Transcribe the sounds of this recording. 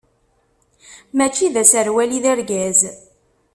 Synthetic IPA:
mæt͡ʃːiðæsəɾwæliðæɾɡæz

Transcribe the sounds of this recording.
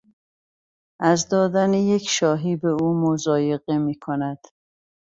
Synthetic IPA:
ʔæzd̪ɒːd̪ænejecʰʃɒːɦiːbeuːmozɒːje̞ɣemiːkʰonæd̪̥

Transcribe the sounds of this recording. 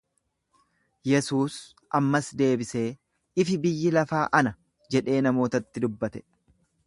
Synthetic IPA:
jɛsuːs | ʔɐmːɐsd̪e̞ːbɪse̞ː | ɪfɪbɪjːɪlɐfaːʔɐnɐ | d͡ʒɛᶑe̞ːnɐmo̞ːt̪ɐt̪ːɪd̪ʊbːɐt̪ɛ̥

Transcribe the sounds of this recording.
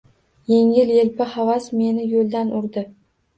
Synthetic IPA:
je̞ŋɪljelpɪhavasme̞nɪjolˠd̪anʔʊɾd̪ɪ

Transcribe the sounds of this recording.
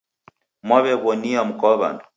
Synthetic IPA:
maβɛβɔniam̩kɔβa̰nɔ

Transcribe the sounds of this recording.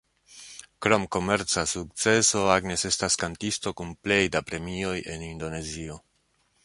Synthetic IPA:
kɾo̞mko̞me̞ɾt͡sasuk̚t͡se̞so̞aɡne̞se̞staskantisto̞kunple̞jdapɾe̞mio̞je̞nindo̞ne̞zio̞

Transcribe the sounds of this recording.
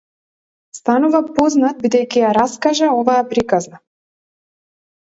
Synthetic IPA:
st̪anuvapɔznat̪̚bid̪ɛjkijaɾaskaʒaɔvajɛpɾikazna

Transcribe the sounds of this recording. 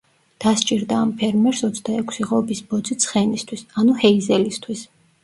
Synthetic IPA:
d̪̥ast͡ʃʼiɾd̪aːmpʰɛɾmɛɾsɔt̪sʰd̪aɛkʷʰsiʁɔbisbɔd̪zit̪sʰχɛnist̪ʰwisanuhɛizɛlist̪ʰwis

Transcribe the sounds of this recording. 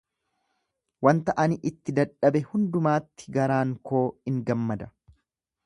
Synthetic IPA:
wɐnt̪ɐʔɐnɪʔɪt̪ːɪd̪ɐᶑɐbɛhʊnd̪ʊmaːt̪ːɪ̥ɡɐɾaːŋkoːɪŋɡɐmːɐd̪ɐ

